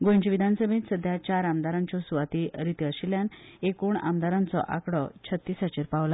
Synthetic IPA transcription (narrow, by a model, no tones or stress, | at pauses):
ɡoɲt͡ɕiʋid̪ʱansəmit̪səd̪ʱjat͡ɕaɾamd̪aɾãɲt͡ɕɔsuʋat̪iɾit̪iəɕiljãnekuɳa̰md̪aɾãnt͡sɔ̰ʔakɽɔt͡ɕʰət̪ːiːsat͡ɕiɾpaʋla